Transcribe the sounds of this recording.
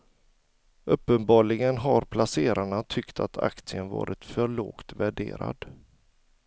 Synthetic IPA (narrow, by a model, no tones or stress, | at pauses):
ɵpːənbɑːɭɪɡənɦaɾpʰlaseːɾʔaɳat̪ʰʏkt̪ʰat̪ʰa̰kt̪sɪənvɑ̰ːɾɪt̪fœɭoːkt̪væɖeːɾa̰d̪